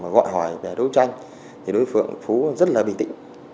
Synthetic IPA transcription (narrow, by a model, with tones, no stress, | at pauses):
maː˨˩ɣɔ̰˧˨jɦɔː˧˩jvɛ˨˩ɗə˨˦wt͡ɕa˧jŋ | t̪ʰi˨˩ɗo˨˦jfɨ̰˧˨əŋfu˨˦zə˦˥t̚laː˨˩ɓḭ˧˩t̪ḭ˧˨ŋ